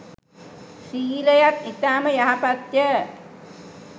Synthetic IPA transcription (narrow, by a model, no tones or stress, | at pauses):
siːləjat̪it̪aːməjaɦapat̪jə